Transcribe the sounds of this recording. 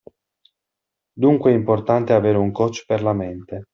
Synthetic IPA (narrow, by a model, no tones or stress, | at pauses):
d̪uŋkweɛimport̪ant̪eaveːɾeuŋkɔt͡ʃːperlament̪e